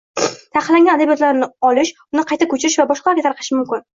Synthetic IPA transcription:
t̪ʰaqʰɨlˠːaŋɡʲanad̪abijɒt̪laɾnɪɒlɪʃʊnɪqʰɑjt̪ʰakʰɵt͡ʃʰɪɾɪʃvabɒʃqʰɑlˠaɾɡʲat̪ʰaɾqʰɨ̥ʃɪmʊmkʲɪn

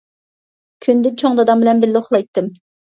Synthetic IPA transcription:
kʲʰynd̪ɪnt͡ʃʰoŋd̪ɑd̪ɑmbɪlɛmbɪlːoχlˠɑjt̪ːɨm

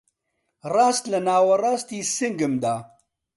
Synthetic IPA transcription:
raːst̪lɐnaːwɐraːst̪iːsɨŋɡɨmd̪aː

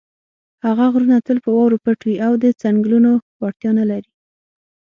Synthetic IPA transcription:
haɣaɣɾunat̪əlpəwɑwɾopəʈwiʔawd̪ət͡saŋɡlunowɑʈt̪jɑnalaɾi

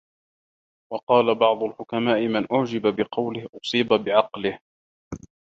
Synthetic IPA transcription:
wɑqɑːlabɑʕd̪ˤʊlħʊkamaːʔɪmɪnʔʊʕd͡ʒɪbabɪqɑwlɪhʔʊsˤiːbabɪʕɑqlɪh

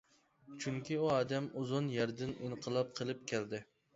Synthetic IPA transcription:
t͡ʃʰyŋkʲʰiuɑːd̪ɛmuzʊnjɛɾd̪ɪniɴqʰəlˠɑp̚qʰəlˠɨp̚kʲʰɛld̪ɪ

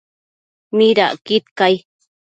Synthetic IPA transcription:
miɾa̰ʔkit̪̚kaj

